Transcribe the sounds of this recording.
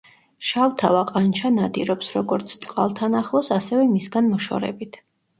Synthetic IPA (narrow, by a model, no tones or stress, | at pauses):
ʃawt̪ʰavaqʼant͡ʃʰanad̪iɾɔpsɾɔɡɔɾt̪sʰt̪sʼqʼa̰lˠt̪ʰanaχlˠɔsasɛvɛmisɡanmɔʃɔ̰ɾɛ̰bit̪ʰ